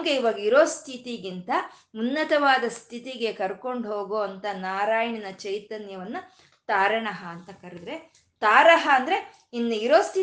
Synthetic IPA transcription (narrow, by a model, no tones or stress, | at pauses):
ŋɡeiʋɐɡɐiɾo̞ːst̪ʰit̪iɡint̪ɐunːɐt̪ɐʋaːd̪ɐst̪ʰit̪iɡe̞kɐɾko̞ɳɖɦo̞ːɡoːɐnt̪ɐnaːɾaːjɐɳinɐt͡ʃɐjt̪ɐnjɐʋɐnːɐ | t̪aːɾɐɳɐɦɐːnt̪ɐkɐɾid̪ɾe̞ | t̪aːɾɐɦɐːnd̪ɐɾe̞ | inːuiɾoːst̪ʰi